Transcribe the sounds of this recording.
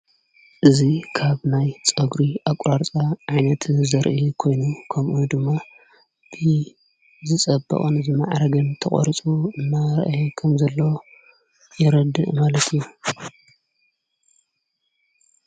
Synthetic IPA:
ʔɨzikʰaβnajt͡sʼɐɡɾiʔakʼɾaɾt͡sʼaʕajnɐt̪ʰzɐɾʔikʰo̞jnukʰɐmʔud̪ɨmːa | b̥ɨ | zɨt͡sʼɐbːɐ̰χʼɐnɨzɨma̰ʕɾɐɡɨnt̪ʰɐχʼɔ̰ɾt͡sʼuɨnːaɾɐ̰ʔkʰɐmzɐlːo | jɛɾɐd̪ɨ̰ʔmalɐt̪ʰɨju

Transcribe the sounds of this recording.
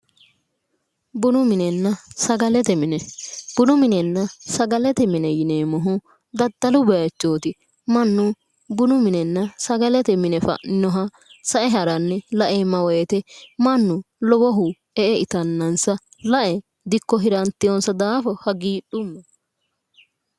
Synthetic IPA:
bʊnʊmɪnɛnːɐsɐɡɐlɛt̪ɛmɪnɛb̥ʊnʊmɪnɛnːɐsɐɡɐlɛt̪ɛmɪnɛjɪneːmɔɦʊ | d̪ɐd̪ːɐlʊbɛt͡ʃːoːt̪ɪ | mɐnːʊ | bʊnʊmɪnɛnːɐsɐɡɐlɛt̪ɛmɪnɛfɐ̰ʔnɪnɔɦɐ | sɐʔɛɦɐɾɐnːɛlɐʔeːmɐwɔɛt̪ɛmɐnːʊ | lɔbɔɦʊ | ɛʔɛʔɪt̪ɐnːɐnsɐ | lɐʔɛ | d̪ɪkːɔɦɪɾɐnt̪ːɪjɔnsɐd̪aːfɔhɐɡiːɗʊmːɛ

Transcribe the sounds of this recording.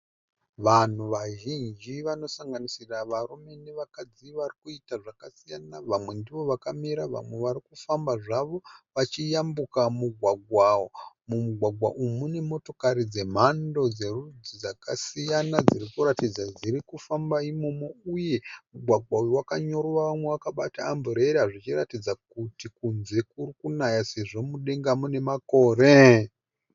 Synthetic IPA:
ʋan̤uʋaʒind͡ʒiʋano̞saŋɡanisiraʋarume̞neʋakad͡ziʋarikuitaʐakasijanaʋamwe̞ndiʋo̞ʋakamiɾaʋa̰mwe̞ʋaɾikufambaʐaʋo̞ʋat͡ʃijambukamuɡʱwaɡʱwawo | mumuɡʱwaɡwa̰ʔumune̞mo̞to̞kaɾid͡ze̞m̤ando̞d͡ze̞rud͡zid͡zakasijanad͡ziɾikuɾatid͡zad͡ziɾikufambaimo̞mouje̞muɡʱwaɡwaujowakaɲo̞ɾwaʋamwe̞wakaɓataːmbuɾe̞ɾiɦaʐit͡ʃiratid͡zakutikunze̞kurikunajase̞ʐo̞muɗe̞ŋɡamune̞mako̞ːre

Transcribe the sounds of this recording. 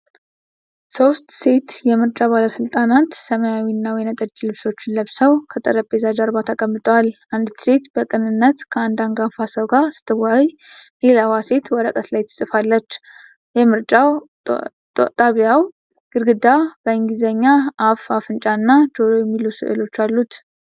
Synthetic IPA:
so̞st̪ʼse̞t̪jɛmɨɾt͡ʃʼabaləsɨlt̪ʼanat̪səmajawinːawjɛnət̪ʼəd͡ʒːlɨβso̞t͡ʃːɪnləβsəwkʰət̪ʼə̰ɾəpʼːezad͡ʒaɾbat̪ʰakʼəmːɨt̪ʼwalʔand̪ʰɨ̥se̞t̪bəkʼɨnɨnːət̪kʰəand̪aŋɡafasəwɡasɨ̥t̪ʰːɨwaj | lelawase̞t̪wɔɾəkʼət̪lajt̪ʰːɨ̥sʼɨfalːət͡ʃː | jɛmɨɾt͡ʃʼaw | t̪ʼaβjaw | ɡ̥ɨɾɡɨd̪ab̥əɨŋɡizəɲːaafafɨnt͡ʃʼanːad͡ʒoɾojɛmːilusɨ̰ʔɨ̰lo̞t͡ʃːalːut̪

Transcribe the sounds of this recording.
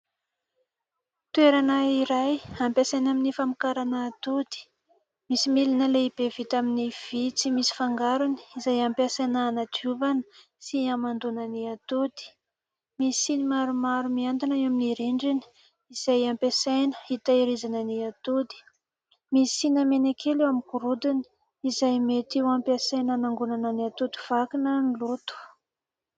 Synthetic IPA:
t̪weɾanəiɾajampesajnaminifamikaɾanəːt̪ud̪i̥ | misimilinəleib̥evit̪aminiv̥it͡simisi̥faŋɡaɾuni̥izajampasanaːnad͡ʒuvanə̥ | siamand̪unəniat̪ud̪i̥ | misinimaɾumaɾumiand̪inaewaminiɾeɳɖ͡ʐini̥ | iz̥ajampesajnə̥it̪aiɾizanəniat̪od̪i̥ | misinəmenakʰelewamikuɾud̪ini̥ | izajmet̪iwampiasajnanaŋɡunanəniat̪od̪i̥v̥akinənilot̪u̥

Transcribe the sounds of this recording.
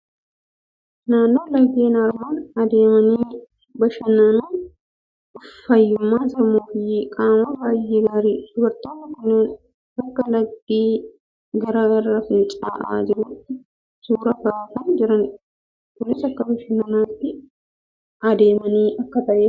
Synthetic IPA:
naːnːo̞ːlɐɡeːnaɾmaːnɐd̪e̞ːmɐniː | bɐʃɐnɐnuː | ʊfːɐjːʊmːaːsɐɾmoːfɪkʼaːmɐbaːjːeːɡaːɾiːd̪̥ʊbɐɾt̪oːnːɐkʊnːeːn | bɐkːɐlɐɡd̪iː | ɡɐɾɐrːɐfɪnt͡ʃʼa̰ːʔa̰ːd͡ʒɪɾʊt̪ːɪ | suːɾɐbɐt̪ɐnd͡ʒɪɾɐn | kʊnːɪsɐkːɐbɐʃɐnːɐnaːt̪ːɪ | ʔɐd̪e̞ːmɐniːʔɐkːɐt̪ɐʔeː

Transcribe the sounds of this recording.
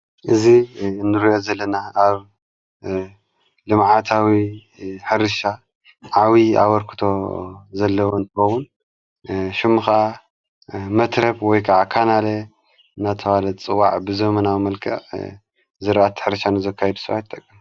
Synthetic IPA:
ʔɨzinɨɾijozɐlːɐnaaβ | lɨmʕat̪ʰawi | ħɨɾɨʃa | ʕawia̰βɐɾkʰɨ̥t̪ʰo̞zɐlːɐwont̪ʰɨxɐwun | ʃɨmːɨxa | mɐt̪ʰɾɐbwɔjkʰɐʕakʰanalɐ | ɨnat̪ʰɐβalɐt͡sʼɨwaʕbɨzɐmɐnawmɐlkʰɐ̰ʕ | zɨɾʔat̪ʰːħɨɾɨʃanɨzɐkʰːajɛd̪u̥sɨβajt̪ʼːɐkʼːim

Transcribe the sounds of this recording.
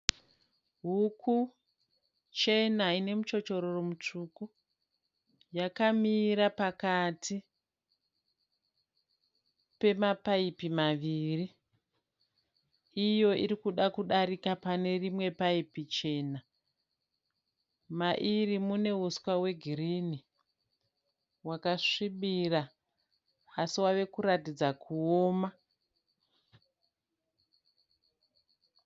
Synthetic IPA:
ɦukʰu | t͡ʃe̞naine̞mut͡ʃo̞t͡ʃo̞ɾoromutuku | jakamiɾapakati | pe̞mapaipimaʋiri | jo̞iɾikuɗakuɗaɾikapane̞rimwe̞paipit͡ʃe̞ːna | maʔirimune̞uskwawe̞ɡʱiriːni | wakaʂiɓira | siwaʋe̞kuɾatid͡zakʰuoːma

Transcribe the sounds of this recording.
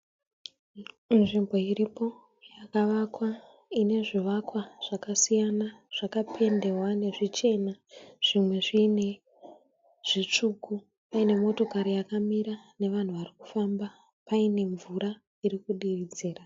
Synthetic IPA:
nʐimbo̞iripo̞ | jakaʋakwa | ine̞ʐiʋakwaʐ̥akasijanaʐ̥akapʰe̞nde̞rwane̞ʐit͡ʃe̞naʐ̥imwe̞ʐiːne̞ | ʐ̥it͡ʂuku | paine̞mo̞to̞kaɾijakamiɾane̞ʋan̤uʋariku̥famba | paine̞ɱvuɾa | irikuɗiʋid͡zeːra

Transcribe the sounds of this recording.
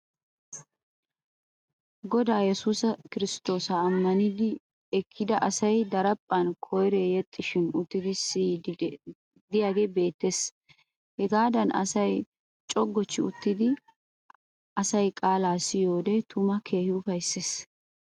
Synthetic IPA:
ɡɔd̪aːjɛsuːsɐkɪɾɪst̪o̞ːsɐːmːɐnɪd̪ɪ | ɛkʰːɪd̪ɐʔɐsɐjd̪ɐɾɐpʼːɐnkʰɔjɾeːjɛt̪ʼːɪʃɪnʊt̪ːɪd̪ɪsiː | d̪ɪjaːɡebe̞ːt̪ːeːs | hɛɡaːd̪ɐnʔɐ̰sɐj | t͡ʃʼɔɡːɔt͡ʃːɪʊt̪ːɪd̪ɪ | ɐsɐjkʼaːlaːsɪjo̞ːd̪ɛt̪ʰʊmɐkʰe̞ːhɪʊfɐjsːeːs

